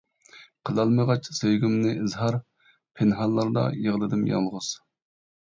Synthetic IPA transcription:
qʰəlˠɑlˠmɨʁɑt͡ʃsøjɡʲymnɪʔɨzɦɑɾ | pʰenɦɑlˠːɑɾd̪ɑ̰jəʁlˠɨd̪ɨmjɑ̰lˠʁʊz̥

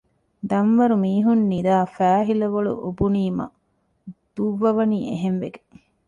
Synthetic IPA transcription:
d̪ɐmʋɐɾumiːɦunːid̪aːfæːɦilɐʋɐɭṵʔobuniːmɐ̰ | d̪̥uʋːɐʋɐniːʔḛɦenʋeɡe

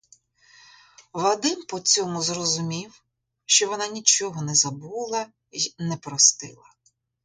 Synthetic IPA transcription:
ʋɐd̪ɪmpɔt͡sʲɔmʊzrɔzʊmʲiw | ʃt͡ʃɔʋɔnɑnʲit͡ʃɔɦɔnɛzɐbulˠɐ | nɛpɾɔst̪ɪ̰lˠɐ

